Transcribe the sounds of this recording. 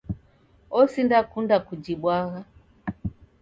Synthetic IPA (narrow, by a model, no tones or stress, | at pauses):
ɔsindakundakud͡ʒiɓwaɣa